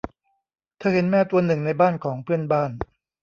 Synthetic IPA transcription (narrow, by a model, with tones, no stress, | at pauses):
t̪ʰɤː˧he˩˦nmɛː˥˩t̪u˧ɐnɯ˨˩ŋna˧jbaː˥˩nkʰɔː˩˦ŋpʰɯ˥˩ənbaː˥˩n